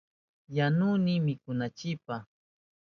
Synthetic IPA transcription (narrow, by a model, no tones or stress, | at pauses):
janʊnɪmɪkʊnat͡ʃɪpa